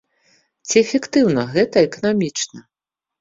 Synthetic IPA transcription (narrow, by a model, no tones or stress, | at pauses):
t͡sʲiɛfʲɛkt̪ɨwnɐɣɛt̪ɐɛkɐnamʲit͡ʂnɐ